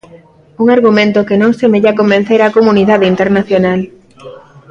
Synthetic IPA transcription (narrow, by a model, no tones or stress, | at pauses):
uŋaɾɣumẽnt̪okenõŋsemeʎakombẽn̟θeɾakomuniðaðeint̪eɾnaθjonal